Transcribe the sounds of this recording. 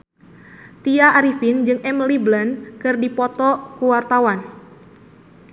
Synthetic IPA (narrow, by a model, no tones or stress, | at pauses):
t̪iaːɾifind͡ʒɨŋɛmliblənkɨrdipɔt̪ɔkuwart̪awan